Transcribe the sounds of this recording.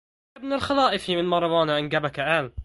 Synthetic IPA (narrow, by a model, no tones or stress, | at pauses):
abnalxalɑːʔɪfimɪnmɑɾˤɑwɑːnaʔɪnɡabakaʔaːl